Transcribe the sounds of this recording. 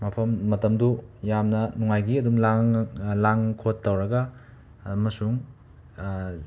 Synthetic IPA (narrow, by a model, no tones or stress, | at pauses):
mɐpʰɐmːɐtɐmdujamnɐnuŋajɡiɐdumlaŋlaŋkʰotːɐwɾɐɡɐ | mɐsuŋ